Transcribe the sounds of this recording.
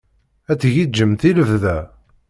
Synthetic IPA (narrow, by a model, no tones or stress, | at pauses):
æt͡sːʝid͡ʒːəmθiləvðæ